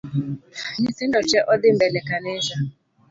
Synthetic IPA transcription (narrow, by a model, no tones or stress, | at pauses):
ɲɪtɪndɔt͡ʃɛʔɔdɪm̩bɛlɛkanɪʃa